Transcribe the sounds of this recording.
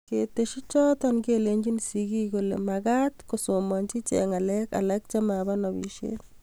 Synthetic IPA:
keteʃit͡ʃɔtɔnkeleɲd͡ʒinsikikolḛmakat̪kosomɔɲt͡ʃit͡ʃḛŋalɛka̰lɛk̚t͡ʃamabanɔβḭʃḛt

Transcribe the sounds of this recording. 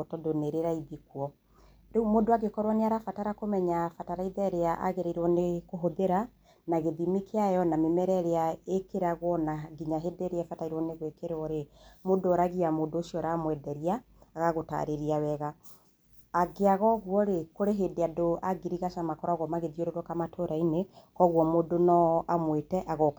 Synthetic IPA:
otɔdoneɾeɾaiðikwɔ | ɾemoːdoaɣekɔɾwɔneaɾafataɾakomɛɲafataɾaiðɛɾeaʔa̰ɣeɾaiɾwɔnekoɦoðeɾa | naɣeðimikʰeajɔnamemɛɾɛɾeaekeɾaɣwɔnaɡiɲaɦedeɾeɛfataiɾwɔneɣwekeɾwɔɾemodoɾaɣiamoːdoːsiɔɾamwɛdɛɾiaː | ɣaɣota̰ɾeɾiawɛɣaː | ɡeaɣɔɣwɔɾekoɾeɦedeadoaɡiɾiɣasamakɔɾwaɣwɔmaɣeðioɾeɾwɔkamatʰoɾainekɔɣwɔmodonɔamwetɛʔaɣɔk

